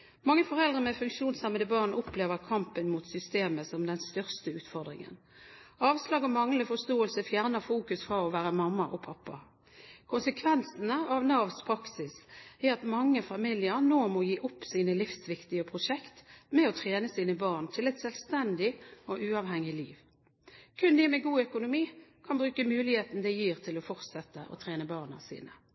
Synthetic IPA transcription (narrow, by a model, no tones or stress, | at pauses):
mɑŋːəfɔʁɛld̪ʁəmɛfʉŋkʃuːnsɑmːəd̪əbɑːʁnʊpleːʋəʁkʰɑmpənmuːt̪sʏst̪eːməsɔmd̪ɛnst̪œʁst̪əʉːt̪fɔʁd̪ʁɪ̰ŋə̰n | ɑːʋslɑːɡɔmɑŋləfɔst̪oːəlsəfjæʁnəfuːkʉsfʁɑɔʋæːʁəmɑmːɑʔɔpʰɑpːɑ | kʰʊnsəkʰʋɛnsnəɑʋnɑːʋspʰʁɑksɪsæɑt̪mɑŋːəfɑmiːlɪəʁnoːmɔjiːʔʊpːsiːnəlɪfsʋɪkt̪ɪəpʰʁʊʂɛkt̪mɛɔt̪ʰʁeːnəsiːnəbɑːʁnt̪ʰɪlɛɪt̪sɛlst̪ɛnd̪ɪɔʔʉːɑːʋhɛŋːɪlḭːʋ | kʰʉnd̪ɪmɛɡuːœkʊnʊmiːkʰɑnbʁʉːkəmʉːlɪheːt̪n̩d̪ɛjiːʁt̪ʰɪlɔfɔʁt̪sɛt̪ːəʔɔ̰t̪ʰʁeːnəbɑːʁnə̰sḭːnə